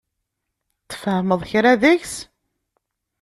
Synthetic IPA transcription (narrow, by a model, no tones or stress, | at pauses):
t̪ːə̥fhəməðˤçɾaðəçs